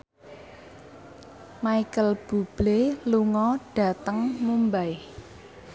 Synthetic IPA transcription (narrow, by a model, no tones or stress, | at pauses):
maikəlb̥ub̥leluŋɔɖ̥ä̤t̪əŋmumbae